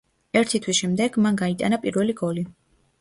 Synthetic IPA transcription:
ɛɾt̪ʰit̪ʰwisʃɛmd̪ɛɡ̥manɡait̪ʼa̰napʼiɾvɛliɡɔli

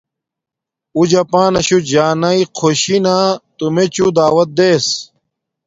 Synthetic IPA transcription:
ud͡ʑɐpãːnɐɕud͡ʑaːnɐiqʰoɕinat̪umet͡ɕud̪aːwɐt̪̚d̪eːs

